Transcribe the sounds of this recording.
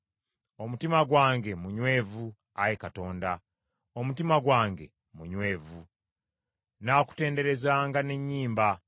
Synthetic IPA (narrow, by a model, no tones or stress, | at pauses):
o̞mutimaɡwaːŋɡemuɲwe̞ːvu | ajekato̞ːnda | o̞mutimaɡwaːŋɡe̞̰ | muɲwe̞ːvu | naːku̥te̞ːnde̞ɾe̞zaːŋɡane̞ɲːiːmba